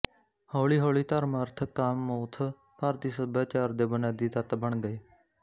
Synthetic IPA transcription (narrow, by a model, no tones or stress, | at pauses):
hoːɭiːɦoːɭiːt̪əɾməɾt̪ʰkaːmːoːt̪ʰ | paːɾt̪iːsəbaːt͡ʃaːɾd̪eːbənaːd̪iːt̪ət̪bəɳɡəeː